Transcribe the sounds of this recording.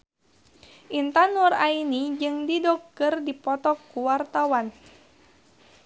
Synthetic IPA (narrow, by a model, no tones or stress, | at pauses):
ʔint̪anurainid͡ʒɨŋdidɔkːɨrdipɔt̪ɔkːuwart̪awan